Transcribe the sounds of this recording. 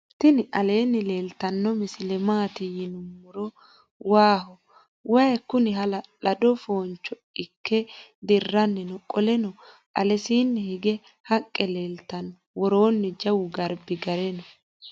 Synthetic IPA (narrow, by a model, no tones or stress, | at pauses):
t̪ːɪnɪʔɐle̞ːnːɪle̞ːlt̪ɐnːɔmɪsɪlɛmaːt̪ɪjɪnʊmːʊɾɔ | waːhɔ | wɐjkːʊnɪɦɐlɐlɐd̪ɔfo̞ːnt͡ʃːɔ | ɪkʰːɛd̪ɪrːɐnːɪnɔkʼɔlɛnɔ | ʔɐ̰lɛsiːnːɛhɪɡɛ | hɐkʼːɛleːlt̪ɐnːɔ | wɔɾoːnːɛd͡ʒɐwʊɡɐɾbɪɡɐɾɛnɔ